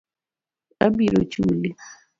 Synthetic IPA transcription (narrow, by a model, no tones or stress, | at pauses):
abiɾot͡ʃuli